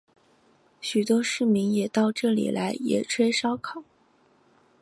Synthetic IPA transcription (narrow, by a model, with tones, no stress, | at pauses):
ɕy˨˩t̪wɔ˥ʂɻ̩˥˩mi˧˥ŋjɛ˨˩t̪ɑ˥˧ʊʈ͡ʂɤ˥˩lḭ˨˩la˧˥ɪjɛ̰˨˩ʈ͡ʂʰwe˥ɪʂɑ˥ʊkʰɑ˨˩˦